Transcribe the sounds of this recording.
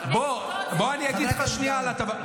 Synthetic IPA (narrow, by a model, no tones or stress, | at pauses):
bo | boanijaɡidd̪xaʃnialat̪a